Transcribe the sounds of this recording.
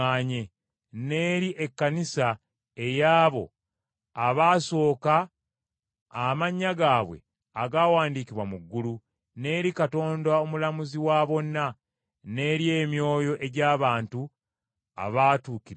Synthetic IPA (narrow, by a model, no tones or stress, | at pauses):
aɲe | ne̞ːɾiʔe̞kːanisa | e̞jaːβo̞̰ | aβaːso̞ːka | maɲːaɡaːβwe̞̰ | aɡaːwaːndiːkiβwamuɡːulu | ne̞ːɾikato̞ːndao̞mulamuziwaːβo̞nːa | ne̞ːɾie̞ːmjo̞ːjo̞ʔe̞ɟaːβaːntu | a̰βaːtuːki